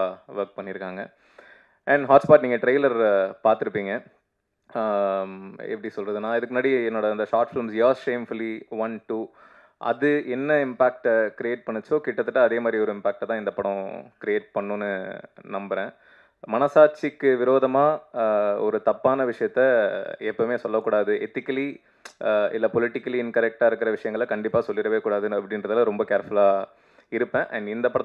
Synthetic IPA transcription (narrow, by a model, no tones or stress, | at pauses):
ʋɐɾk̚pɐɳːɪɾɯkːaːŋɡɐ | ɛɳɖɦaːʈspaːʈniːŋɡɐʈɾɐɪlɐɾpaːɾt̪ɯɾɯpːiːŋɡɐ | ɛ̰pɐɽisɔlɾɐðɯnːãːɪðɯkːɯnɐːɽiɛnːoːɽɐɐnd̪ɐʂaːɾʈfɪlmsjaːɾsʂeːmfʊliʋɐnʈuː | ʔɐ̰ðɯɛnːɐɪmpaːk̚ʈkɪɾieːʈ̚pɐɳːɯt͡ʃːoːkɪʈːɐt̪ːɯʈːɐɐðeːmaːd̪ɾiɔɾɯɪmpaːk̚ʈːɐt̪ãːɪnd̪ɐpɐɽɔ̃kɪɾɪjeːʈ̚pɐɳːɯnːɯnɐmbɐɾẽː | mɐnɐsaːɾt͡ʃɪkːɯʋɪɾoːðɐmaː | ɔɾɯt̪ɐpːaːnɐʋɪʂɐjɐt̪ːɐɛpːɐmeːsɔlːɐkːuːɽaːðɯɛt̪ːɪkːɐli | ɪlːɐpɔlɪʈːɪkːɐliɪnkɐɾɛk̚ʈaːɪɾɯkːɪɾɐʋɪʂɐjɐŋɡɐɭkɐɳɖɪpːaːsɔlːɪɾɐʋeːkuːɽaːðɯɐpːɐɽɪnɾɐðɐlaɾɔmbɐkeːɾfʊlaː | ɪɾɯpːẽːʔɐɳɖɪnd̪ɐpːɐɽ